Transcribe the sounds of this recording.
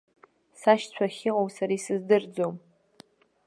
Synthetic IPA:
saʃt͡sʷʰaχʲɪqʼowsaɾaisɨzdɨrd͡zom

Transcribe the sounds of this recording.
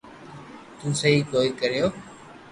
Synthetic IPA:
t̪ũːsəɦiːk̪oːikəɾijoː

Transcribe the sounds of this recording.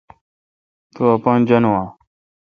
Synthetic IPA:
t̪oːəpãːnd͡ʒənoãː

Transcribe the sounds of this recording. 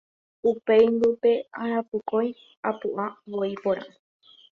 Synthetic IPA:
upe̞jnd̪upe̞aɾapukoj | apuʔaʋoipoɾã̰

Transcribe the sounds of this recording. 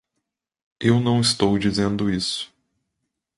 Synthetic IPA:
ewnɐ̃w̃ɪst̪owd͡ʒizẽnd̪ʊisʊ̥

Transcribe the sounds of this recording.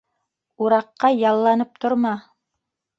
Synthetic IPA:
uɾɑqːɑjɑlˠːɑnɤp̚t̪ŏɾmɑ

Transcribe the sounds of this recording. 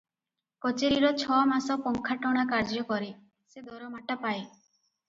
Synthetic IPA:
kɔt͡ʃeɾiɾɔt͡ʃʰɔmasɔpɔŋkʰaʈɔɽ̃akaɾd͡ʒɔkɔɾi | sed̪ɔɾɔmaʈapaj

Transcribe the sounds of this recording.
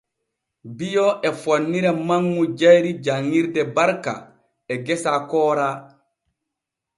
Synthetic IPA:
bijɔʔɛfonːiɾamaŋːud͡ʒajɾid͡ʒaŋːiɾdɛbaɾka̰ | ɛɡɛsakɔːɾa

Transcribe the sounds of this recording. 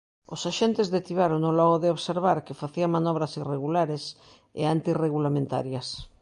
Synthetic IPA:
osaʃent̪ezðet̪iβaɾonolɔɣoðeoβseɾβ̞aɾkefaθiamanɔβ̞ɾasireɣ̞ulaɾes | ḛant̪ireɣ̞ulamẽnt̪a̰ɾjas

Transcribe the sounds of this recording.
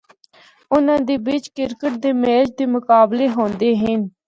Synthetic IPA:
ʊnãːd̪eːbɪt͡ʃkɪɾkəʈ̚d̪eːmeːd͡ʒd̪eːmʊkaːbleːɦoːnd̪eːɦɪn

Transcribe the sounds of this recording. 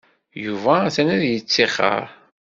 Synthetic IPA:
juvæθænæðjət͡sːiχə̰ɾ

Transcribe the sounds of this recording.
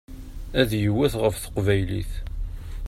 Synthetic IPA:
æðjəwːæθʁəfθə̥qvæjlḭθ

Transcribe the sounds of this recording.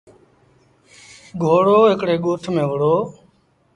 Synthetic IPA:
ɡʱoːɽoːɦɪkɽeːɠoːʈʰmẽːʋəɽoː

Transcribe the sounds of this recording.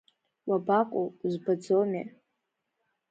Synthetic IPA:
wabakʷʼozbad͡zomḛ

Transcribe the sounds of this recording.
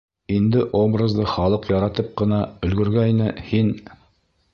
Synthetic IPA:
ind̪ɘʔo̞brəzd̪ɤχɑlˠɤqjɑɾɑt̪ɤp̚qɤ̆nɑɵ̆lɡɵ̆ɾɡæinɘhin

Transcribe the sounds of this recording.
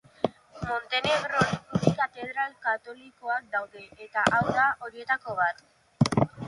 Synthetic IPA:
mo̞nt̪e̞ne̞ɣɾopuðikat̪e̞ð̞ɾalkat̪o̞liko̞ak̚d̪awðe̞ʔet̪aʔawðaʔo̞ɾie̞t̪ako̞β̞at̪

